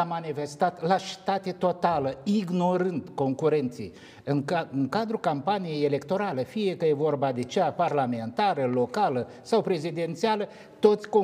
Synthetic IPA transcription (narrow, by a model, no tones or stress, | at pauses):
amanife̞st̪at̪laʃi̥t̪at̪e̞t̪o̞t̪aləiɡno̞ɾɨnd̪ko̞ŋkuɾe̞nt̪sḭj | ɨŋɨŋkad̪ɾukampanije̞jele̞kt̪o̞ɾalefijekəjevo̞rbad̪e̞t͡ʃeaparlame̞nt̪aɾəlo̞kalə | sawpɾe̞zid̪e̞nt̪sialə | t̪o̞t̪sʲko